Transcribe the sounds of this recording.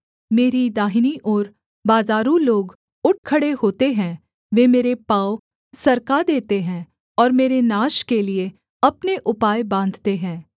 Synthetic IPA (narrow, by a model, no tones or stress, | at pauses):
meːɾid̪aːɦɪniʔɔːɾ | baːzaːɾũloːɡ | ʊʈ̚ʰkʰəɽeɦoːt̪eɦɛ̃ | ʋeːmeːɾepaːoʊ | sɐɾkad̪eːt̪eɦɛ̃ː | ɔːɾmeːɾenaːʃkelie | ɐpneʔʊpaːjbãːn̆d̪ʱt̪eɦɛ̃ː